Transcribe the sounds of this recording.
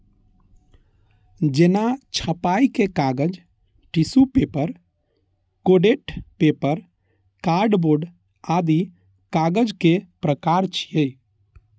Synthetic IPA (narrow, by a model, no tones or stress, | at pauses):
d͡ʒenat͡ʃʰəpajkekaɡəd͡ʒ | ʈisupepəɾ | koɖeʈpepəɾ | kaɾɖboɾɖ | ad̪i | kaɡəd͡ʒkepɾəkaɾt͡ʃʰijəj